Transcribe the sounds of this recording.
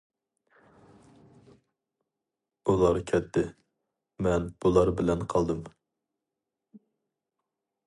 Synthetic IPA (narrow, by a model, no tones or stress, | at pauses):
ulˠɑɾkʲʰɛt̪ʰːɪ | mɛnb̥ulˠɑɾbɪlɛnqʰɑlˠd̪ɨm